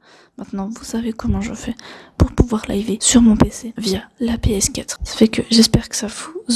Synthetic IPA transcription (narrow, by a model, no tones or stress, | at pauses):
mɛ̃t̪nɑ̃vusavekɔmɑ̃ʒəfɛpuʁpuvwaʁla̰jvesyʁmɔ̃pesevijalapeɛskat̪χsḁfɛkəʒɛspɛʁkə̥savuz